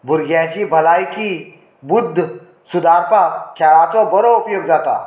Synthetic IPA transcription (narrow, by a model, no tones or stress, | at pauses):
bʱʊɾɡjãt͡ɕibʱɐlaːjki | bʊd̪ʱː | sud̪ʱaːɾpakʰaːɭaːt̪obɔɾoupjoɡd͡zaːt̪a̰